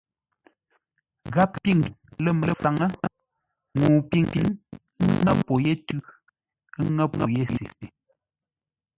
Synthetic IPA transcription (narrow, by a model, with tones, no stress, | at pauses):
ɣa˦p̚pi˦˨ŋlə˦mə˨lə˦fa˨ŋə˦ | ŋu˨pi˦˨ŋpi˨n˦ | ŋa˦ppo˨je˦tʉ˦ | ŋə˦p̚ŋə˨je˦se˨